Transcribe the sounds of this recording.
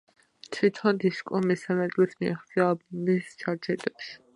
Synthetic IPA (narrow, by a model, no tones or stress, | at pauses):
t̪ʰwit̪ʰɔnd̪iskʼɔmisamɛd̪ʼlɛsmiaχt̪sʼiaːlbɔmist͡ʃʰaɾt͡ʃʰɛd̪ɛpʃi̥